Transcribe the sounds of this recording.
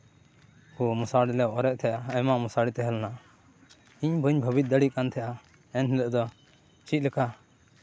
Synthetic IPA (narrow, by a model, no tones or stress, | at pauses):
kɔmusaɽilɛʔɔɾɛʔ̚t̪ʰɛjaəmamusaɽit̪ɛɦɛlna | iɲbəɲbʱəbit̪̚d̪əɽikant̪ʰɛʔa | ɛnɦɛlɛʔd̪ɔ | t͡ʃʰit̪̚lɛka